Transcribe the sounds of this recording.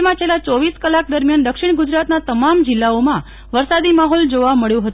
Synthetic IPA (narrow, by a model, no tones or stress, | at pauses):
mãt͡ʃelat͡ʃɔʋiskəlak̚d̪əɾmjand̪əkʃiɽ̃ɡud͡ʒɾat̪nat̪əmamd͡ʒɪlːaomã | ʋəɾsad̪imaɦɔld͡ʒoʋaməɭjũɦət̪u